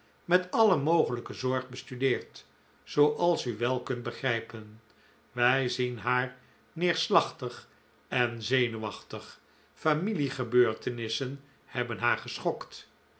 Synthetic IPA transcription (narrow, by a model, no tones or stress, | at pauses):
mɛtɑləmowχələkəzɔɹχbəstydɪːɹt | sowʔɑlˠsyʋɛlˠkɵnt̚bəχrɛjpən | ʋɛjzinɦaːɹ | nɪːɹslɑχtəχ | ɛnzejnyʋɑχtəχ | familiχəbøːɹtənɪsən | hɛbənɦaːɹχəsχɔkt